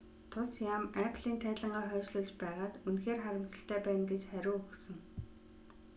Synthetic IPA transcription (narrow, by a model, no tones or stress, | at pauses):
t̪ʰʊsjamæpʰɮ̥iːnt̪ʰæːt̪ɮə̆ɴɢaːχœːʃɮʊːɮt͡ɕpæːʁaːt̪unxeːrχaɾʲɪ̆m̥t͡sə̆ɬt̪æːpæːnɡet͡ɕχæɾʲʊːɵxsɵ̆ŋ